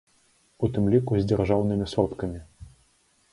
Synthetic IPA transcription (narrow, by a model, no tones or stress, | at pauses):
ut̪ɨmlʲikuzʲd͡zʲɛrʐawnɨmʲisɔt̪kɐmʲi